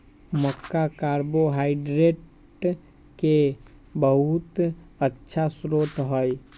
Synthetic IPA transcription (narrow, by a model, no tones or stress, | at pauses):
məkːakaɾboɦaiɖɾeʈ | kebəɦut̪ətːt͡ʃʰasɾoʈ̪ɦəj